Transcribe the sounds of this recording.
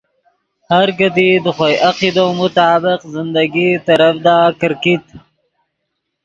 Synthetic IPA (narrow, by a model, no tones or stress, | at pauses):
haɾkat̪id̪əxojʔaqid̪omʊt̪aːbɪqzɪnd̪aɡit̪aɾafd̪akəɾkit̪